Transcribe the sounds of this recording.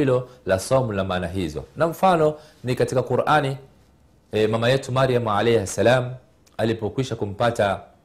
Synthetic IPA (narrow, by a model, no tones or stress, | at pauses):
ilɔlasɔmulamaːnaɦizɔ̰naɱ̩fanɔ | nikatikakuɾʔani | mamajɛtumaɾiamʕalɛasalamu | alipɔkwiʃakum̩pata